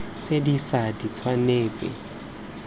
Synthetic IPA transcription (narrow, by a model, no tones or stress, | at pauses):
t͡sʼedisadit͡sʰwaneːt͡sʼɪ̰